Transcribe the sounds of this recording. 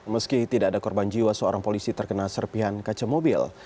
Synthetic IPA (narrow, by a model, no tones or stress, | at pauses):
məskit̪idaʔːdakɔrband͡ʒiwasəoɾʔaŋpolisit̪ərkənalsərpiɦankat͡ʃamobḭl